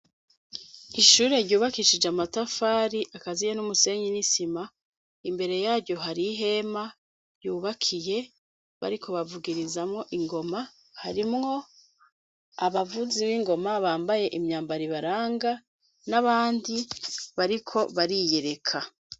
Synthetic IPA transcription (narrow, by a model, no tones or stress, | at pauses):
iʃuːɾe̞ɾɟuːβakiʃid͡ʒamatafaːɾiʔakazijenumuse̞ɲinisima | imbe̞ɾe̞jaːɾɟo̞ɦaɾiɦe̞ma | ɾjuːβakʰije̞ | βa̰ɾikʰo̞βavuɡiɾizamŋo̞ʔiŋɡo̞ma | haɾimŋo̞ | aβavuziβiŋɡo̞maβaːmbaje̞ʔimɲaːmbaɾiβaɾaːŋɡa | naβaːndiβaɾikʰo̞βaɾije̞ɾe̞kʰa